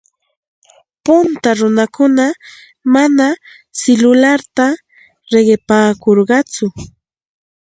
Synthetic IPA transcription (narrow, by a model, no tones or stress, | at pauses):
pʊnt̪aɾʊnakʊna | mana | sɪlʊlaɾt̪a | ɾeɢɪpaːkoɾɢɑt͡sʊ